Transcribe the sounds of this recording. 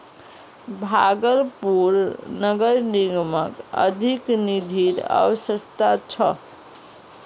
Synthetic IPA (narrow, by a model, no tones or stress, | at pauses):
bʱaɡəɾpuɾnəɡəɾniɡməkə̰d̪ʱiknid̪ʱiɾa̰wsəst̪at͡ʃʰə